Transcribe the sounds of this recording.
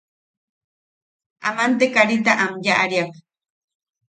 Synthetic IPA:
a̰mant̪ekaɾit̪̬aʔamjaʔaɾiak̚

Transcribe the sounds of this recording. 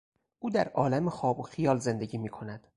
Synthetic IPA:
ʔuːd̪æɾʔɒːlæmexɒːboxijɒːlze̞nd̪e̞ɟiːmiːkʰo̞næd̪̥

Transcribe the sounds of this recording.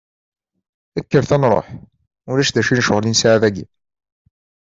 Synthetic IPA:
ækːəɾθænɾˤo̰ħ | ʊlæʃd̪æʃinəʃəʁlinsʕaðæɡḭ

